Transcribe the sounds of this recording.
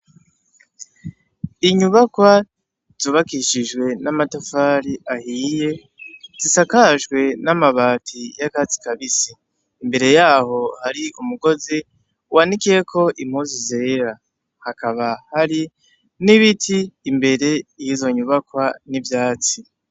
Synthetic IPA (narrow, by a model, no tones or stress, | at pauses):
iɲuβakwa | z̥uːβakiʃiʒwe̞namatofaːɾiʔahiːje̞ | z̥isakaʒɡwe̞namaβaːtʰijakazi̥kaβisiː | mbe̞ɾe̞jaːho̞haɾiʔumuɡo̞zi | uwanikiekʰo̞ʔim̥huzizeɾa | hakaβahaɾi | niβitʰiːmbe̞ɾe̞ijizo̞ɲuβakwanivjaːt͡si